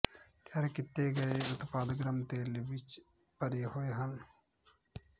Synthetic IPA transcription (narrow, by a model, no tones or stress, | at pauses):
t̪jaːɾekɪt̪ːeɡəeʊt̪paːd̪ɡɾəmt̪eːlʋɪt͡ʃ | pəɾeːɦoːeːɦən